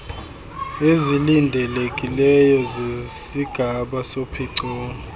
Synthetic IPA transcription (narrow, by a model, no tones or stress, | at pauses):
ezilindʱɛlekʼilɛjɔzesiɡ̥ʱaɓasopʰiǀɔːɔ